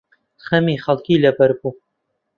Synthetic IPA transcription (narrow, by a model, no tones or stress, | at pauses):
xɐmixɐlkiːlɐpɐɾbu